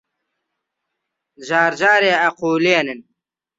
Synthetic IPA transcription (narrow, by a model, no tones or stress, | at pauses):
zaːɾd͡ʑaːɾeɐquːliɐnin